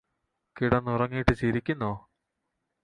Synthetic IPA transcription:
kiɽɐnːurɐŋːijiʈːɨt͡ɕiɾikʲːunːoː

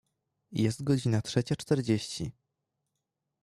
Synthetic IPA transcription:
jʔɛst̪̚ɡɔd͡ʑinatʂɛt͡ɕat͡ʂt̪ɛɾd͡ʑeɕt͡ɕi

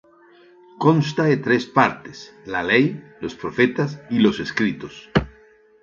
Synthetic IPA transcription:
konst̪aet̪ɾespaɾt̪e̥s | lalejlospɾofet̪asiloseskɾit̪os

